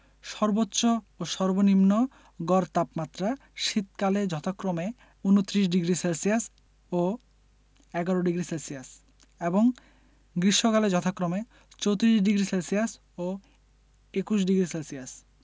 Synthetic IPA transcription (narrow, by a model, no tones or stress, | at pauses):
ʃɔɾbotːɕo | oʃɔɾbonimno | ɡɔɾt̪apmat̪ːɾa | ʃit̪kaled͡ʑɔt̪ʰakːɾome | unot̪ːɾiʃ̬ɖiɡɾiselsijas | o | ɛɡaɾoɖiɡɾiselsijas | eboŋ | ɡɾiʃːokaled͡ʑɔt̪ʰakːɾome | t͡ɕowt̪iɾiʃɖiɡɾiselsijas | o | ekuʃ̬ɖiɡɾiselsias